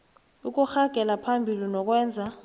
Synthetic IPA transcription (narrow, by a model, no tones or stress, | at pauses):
uk̬ʼuxaɡ̥ʱɛlapʰambʱilinɔk̬ʼwɛːnd͡zʱa